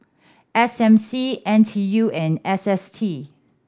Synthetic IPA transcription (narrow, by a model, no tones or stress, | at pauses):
ʔɛsɛ̃msiʔɛ̃ntʰijuɛ̃nɛsɛstʰi